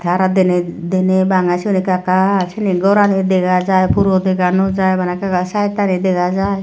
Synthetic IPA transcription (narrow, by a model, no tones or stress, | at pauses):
t̪ʰaɾad̪ɛned̪enebaŋat͡ʃʰinikakat͡ʃʰɛniɡɔɾaned̪ɛɡad͡ʒajpuɾɔd̪ɛɡanɔd͡ʒajbanakakasajt̪aned̪ɛɡad͡ʒaj